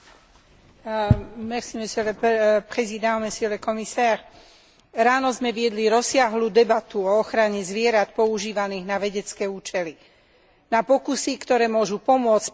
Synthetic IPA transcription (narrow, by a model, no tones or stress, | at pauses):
mɛsimɛsɛlɛpɾɛzid̪amɛsɛlɛkɔmisaːɾ | ɾaːnɔzmɛʋɪɛd̪liɾɔsɪaɦluːd̪ɛbat̪uɔɔxɾaɲɛzʋɪɛɾat̪pɔuʒiːʋaniːɣnaʋɛɟɛt͡skɛːuːt͡ʃɛli | napɔkusikt̪ɔɾɛːmʊɔʒupɔmʊɔt͡s